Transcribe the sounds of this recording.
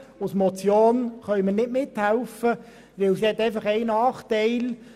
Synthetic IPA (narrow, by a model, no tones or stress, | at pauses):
ʊsmɔt͡sjoːnχœɥmənɪdmɪt̪hælʊfə | ʋɪlsihɛt̪ːæɪfɐχæɪnɑːχt̪æɪl